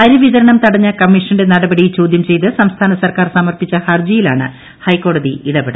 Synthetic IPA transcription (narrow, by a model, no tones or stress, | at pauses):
ɐɾuʋiðɐɾɐɳɐmt̪ɐɽɐɲːɐkɐmːiʂɐnde̞nɐɽɐbɐɽijlt͡ɕo̞ːd̪jɐmt͡ɕe̞jt̪̬ɨsɐmst̪ʰaːnɐsɐrkaːrsɐmɐrpit͡ɕːɐhɐrd͡ʑɐjilaːɳɨ̰ | hɐjko̞ːɽɐðiiɽɐbeɽɐ